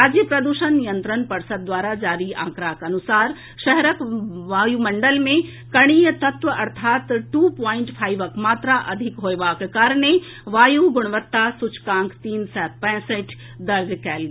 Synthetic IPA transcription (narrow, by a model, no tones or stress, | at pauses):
ɾaːd͡ʒjəpɾɐd̪uʃənːijə̃nt̪ɾənpɐɾsəd̪̚d̪ʋaːɾad͡ʒaːɾiã̰ːkɾaːkɐnʊsaːɾ | ʃɛɦɾəkʋaːjumɐ̃ɳɖəlmẽ | kɐɽ̃iːjət̪ɐt̪ʋəɐɾt̪ʰaːt̪ʈuːpɔːɪ̃ɳʈpʰaːiʋəkmaːt̪ɾaʔɐd̪ʱɪkɦoːeʋaːkekaːɾɳ̃e | ʋaːjuɡʊɽ̃ʋət̪ːasʊt͡ʃʰkãːŋkt̪iːnsɛːt̪̚pɛ̃ːsəʈ | d̪ɐɾd͡ʒkɛːl